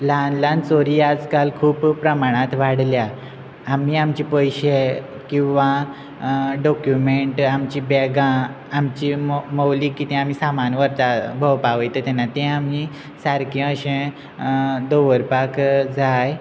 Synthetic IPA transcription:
lanlãnt͡soɾiːad͡zkalkʰuːpːɾəmaɽ̃at̪ʋaɽljaː | miːamt͡ɕipəjɕe | kĩw̃ʋa | ɖɔkjumeɳʈamt͡ɕibɛɡã | amt͡ɕiməwliːkːit̪ɛ̃am̤iːsamanʋəɾt̪abʱəwpaʋəjt̪et̪ɛnat̪ɛ̃ami | saɾkẽəɕẽ | d̪oʋəɾpakd͡zʱaj

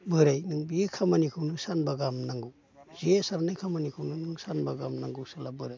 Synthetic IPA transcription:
bɯɾajnɯŋbiekʰamanikʰɯwnɯsanbaɡamnaŋɡɯw | zesaɾnajkʰamanikʰɯwnɯnɯŋsanbaɡamnaŋɡɯwsalabɯɾaj

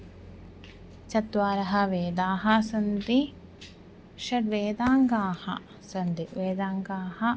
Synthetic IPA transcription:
t͡ʃɐt̪ʋaːɾɐɦɐʋeːd̪aːɦɐsɐnd̪i | ʃɐɾʋeːd̪aːŋɡaːhɐ̰ | sɐnd̪iʋeːd̪aːŋɡaːhɐ

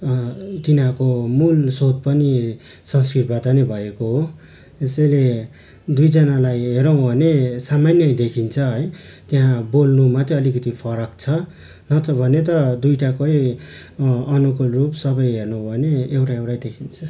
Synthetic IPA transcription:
t̪inãkomulsod̪̚pʌni | sʌ̃nskrit̪̚bad̪anebʱʌekoɦo | esʌjle | d̪ujd͡zʌnalajɦeɾʌw̃bʱʌnesamanjʌjd̪ekʰint͡sʰʌɦʌj | t̪jaɦãbolnumat̪jeʌlikʌt̪ipʰʌɾʌkt͡sʰʌ | nʌt̪ʌbʱʌnet̪̬ʌd̪ujʈakʌj | ʌnukulrupsʌbʌjɦernuw̃bʱʌneːwʈaewʈajd̪ekʰint͡sʰʌ

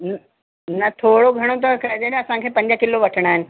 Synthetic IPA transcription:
n | nɐt̪ʰoːɽoɡʱɐɽ̃ot̪̬əkɐd̪ed̪ɐsãkʰepɐ̃ɲd͡ʑjakɪloʋɐʈʰɽ̃aːnɪ̆

